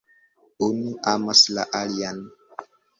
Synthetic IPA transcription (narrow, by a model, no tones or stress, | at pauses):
uniamaslaʔalian